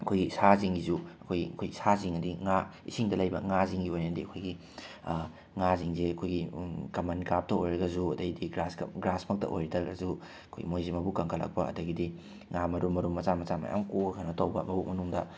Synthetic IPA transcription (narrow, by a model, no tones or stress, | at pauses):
ɐkʰojɡisaziŋɡizuɐkʰojɡiɐkʰojɡisaziŋɐdiŋaisiŋdɐlɐjbɐ̰ŋaziŋɡiojnenɐdiɐkʰojɡi | ŋaziŋzeɐkʰojɡikɐmɐnkap̚tɐojɾɐɡɐzuɐdɐɡidiɡɾasɡɐ̰ɡɾasmɐk̚tɐ̰ʔo̰jɾɐdɐɡɐ̰zu | ɐkʰojɡḭmojzimɐbukɐŋkʰɐlɐ̰k̚pɐɐ̰dɐɡidi | ŋamɐɾumːɐɾumːɐt͡ʃamɐt͡ʃamɐ̰ja̰mkoɡɐkʰɐnɐtowbɐ̰mɐbumɐnuŋdɐ